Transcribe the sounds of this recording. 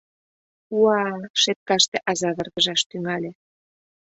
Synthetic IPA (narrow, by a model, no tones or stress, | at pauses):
uɑʃet̪̚kɑʃt̪eʔɑzɑβə̆rɣəʒɑʃt̪yŋɑlʲe